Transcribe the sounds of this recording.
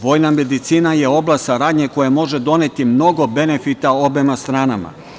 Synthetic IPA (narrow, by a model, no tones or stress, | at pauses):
ʋo̞ːjname̞d̪it̪siːnajeo̞blasaɾaːd̪ɲeko̞jamo̞ʒed̪o̞ne̞t̪imno̞ɡo̞be̞ne̞fit̪ao̞bemast̪ɾaːnama̰